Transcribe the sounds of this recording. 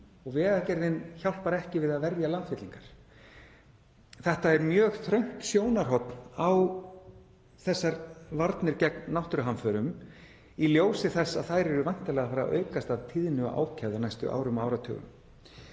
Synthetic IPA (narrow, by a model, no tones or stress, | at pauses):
ɔɣvɛːɣacɛɾðɪnçawlpaɾɛhcɪvɪðaðvɛɾjalant̪fɪt̪liŋkaɾ̥ | θɛht̪aɛɾmjœːɣθɾœɥŋ̥t̪sjoːwnaɾ̥ɦɔt̪naw | θɛsːaɾvaɾt̪nɪɾcɛk̚nnːawht̪ɾʏɦanfœːɾʏm | iljoːwsɪθɛsːaðθajɾɛɾʏvajn̥t̪alɛɣafaːɾa̰ʔœ̰ːɥkast̪avt̪ʰiðnʏʔa̰ːwcʰɛvðanajst̪ʏ̰ʔa̰ːwɾʏmaːwɾat̪ʰœ̰ɣʏ̰m